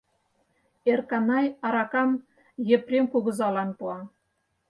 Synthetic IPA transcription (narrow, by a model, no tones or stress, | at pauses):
erkɑnɑjɑɾɑkɑm | jɘ̆prʲemkuɣɤ̆zɑlɑnpuɑ